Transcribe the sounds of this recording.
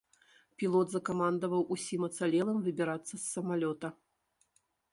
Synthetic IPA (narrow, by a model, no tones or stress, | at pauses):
pʲilˠɔt̪zɐkamand̪ɐvɐwʔusʲimɐt̪salʲɛlˠɐmvɨbʲiɾat̪sːɐsːɐmalʲɔt̪ɐ